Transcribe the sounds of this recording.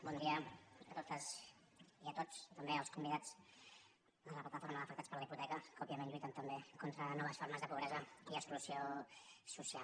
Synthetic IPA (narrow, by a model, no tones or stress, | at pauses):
bɔnd̪iəət̪ot̪əs | iət̪ot͡st̪əmbeəlˠskumbiðat͡s | ənləplat̪əfoɾməðəfəkt̪at͡spəɾləiput̪ɛkəkɔpiəmenʎujt̪ənt̪əmbekont̪ɾənɔβ̞əsfoɾməzðəpuβɾɛzəiəksklusiosusia